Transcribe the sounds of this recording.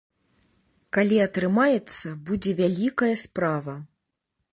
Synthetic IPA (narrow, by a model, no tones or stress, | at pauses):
kalʲiɐt̪ɾɨmajɛt̪sːɐbud͡zʲɛvʲalʲikɐjɐspɾavɐ